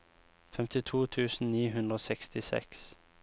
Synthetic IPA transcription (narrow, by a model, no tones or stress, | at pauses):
fɛmt̪ʰɪt̪ʰuːt̪ʰʉːsn̩niːɦʉnd̪ʁoːsɛkst̪ɪsɛ̰ks